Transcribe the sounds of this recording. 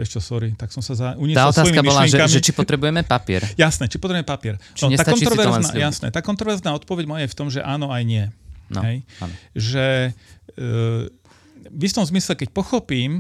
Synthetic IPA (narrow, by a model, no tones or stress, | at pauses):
ʋjɛʃt͡ʃɔsɔɾit̪aksɔmsazauɲiɛalɔsaɔjimimiɔʃlaiɛŋʒkamiɛt͡ʃippɔt̪ɾɛbujɛmɛpapɪɛ̰ɾjasnɛt͡ʃi̥pɔt̪ɾɛbuɛmɛpapɪɛɾt͡ʃ̪ɔtɲɛak̪ɔnɾɔʋɛɾzna̰jasnɛ̰t̪aːkɔnt̪ɾɔʋɛɾznaːɔt̪̚pɔʋɛɟmɔjajɛft̪ɔmʒɛʔaːnɔajɲɪɛ̰ɦɛjnʒɛ | ʋift̪ɔmzmislɛkɛc̚pɔxɔpiːm